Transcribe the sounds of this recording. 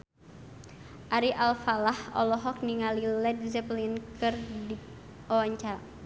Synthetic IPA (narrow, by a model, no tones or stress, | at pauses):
ʔaɾiʔalfalahɔ̰lɔɦɔk̚niŋalilɛdzɛplinkɨrdi | ɔaɲt͡ʃa